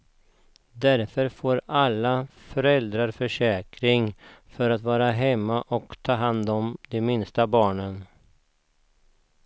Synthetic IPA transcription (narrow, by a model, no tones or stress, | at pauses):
d̪æɾfœɾfoːɾalːafœɾɛld̪ɾaɾfœʂɛːkɾɪŋfœɾat̪vɑːɾaɦɛmːaʔɔkt̪ʰɑːɦand̪ɔmd̪ɛmɪnst̪abɑːɳən